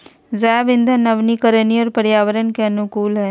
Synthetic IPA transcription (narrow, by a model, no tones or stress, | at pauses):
zaːʋɪ̃nd̪ʱanəʋnikəɾəniɔːɾpəɾjaːʋəɾənkeɐnʊkuːlɦɛː